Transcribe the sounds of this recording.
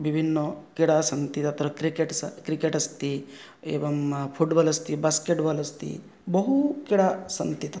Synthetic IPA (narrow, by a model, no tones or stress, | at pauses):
ʋibʱinːokiɽasɐnt̪it̪ɐt̪ʰɾɐkɾikeʈskɾikeʈɐst̪i | ḛːʋɐmpʰuɖbɐlɐst̪ibaːskeʈbaːlɐst̪ḭ | bɐɦukiɽasɐnt̪it̪ɐ